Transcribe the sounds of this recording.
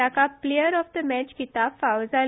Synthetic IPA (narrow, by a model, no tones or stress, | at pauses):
akapleəɾɔfd̪əmɛt͡ɕkit̪afawza